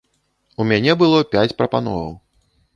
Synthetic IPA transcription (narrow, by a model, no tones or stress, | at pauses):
umʲanʲɛbɨlˠɔpʲat͡sʲpɾɐpanɔ̰vɐ̰w